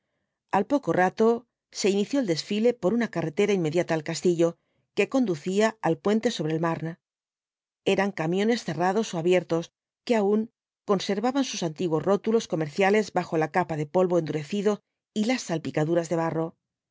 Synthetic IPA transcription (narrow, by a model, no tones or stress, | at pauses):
alpo̞ko̞rat̪o̞ | se̞iniθjo̞eld̪e̞sfile̞po̞ɾunakare̞t̪e̞ɾainme̞ðjat̪aːlkast̪iʎo̞ | ke̞ko̞nd̪uθiaalpwe̞nt̪e̞so̞βɾe̞ːlmaɾna | e̞ɾaŋkamjõ̞ne̞sθe̞rað̞o̞so̞aβje̞ɾt̪o̞s | ke̞auŋ | ko̞nse̞ɾβaβansusant̪iɣwosro̞t̪ulo̞sko̞me̞ɾθjale̞zbaxo̞lakapaðe̞po̞lβo̞end̪uɾe̞θiðo̞ | ilasːalpikaðuɾazðe̞β̞aro̞